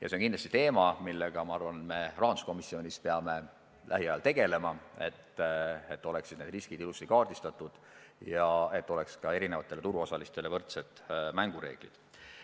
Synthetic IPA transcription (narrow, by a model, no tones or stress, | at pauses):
jɑseonkinlɑst̪it̪e̞ːmɑmilːe̞ɡ̥ɑmɑɑrvɑnt̪me̞rɑːnu̥sko̞misːio̞nʲispe̞ɑme̞ | læ̰ɦiɑjɑlt̪e̞ɡ̥e̞le̞mɑe̞t̪et̪ːo̞le̞ksid̪̥ne̞d̪riskid̪ilust̪ikɑːrd̪ist̪ɑt̪ːˑud̪̥ | jɑe̞t̪ːo̞le̞kskɑe̞ɾine̞vɑt̪ˑːe̞le̞t̪uɾuo̞sɑlist̪elevɤrt̪set̪ːˑmæŋɡ̥uɾe̞̰ːɡ̥lḭd̪̥